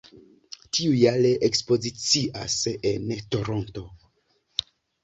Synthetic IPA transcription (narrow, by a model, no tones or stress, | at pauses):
tʰiujaleʔekspo̞zit͡siʔa̰sento̞ɾo̞nto̞